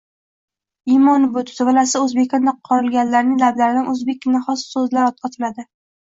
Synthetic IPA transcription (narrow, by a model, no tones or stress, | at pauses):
imɒnɪbot̪d̪ɪvalasɪɵzbekʲɒnd̪aqʰɒɾɪlɡʲanlːaɾnɪŋlablaɾɪd̪anʔɵzbe̞kʲnaχɒssɵzlaɾɒt̪̚qʰɑt̪ʰɪlad̪ɪ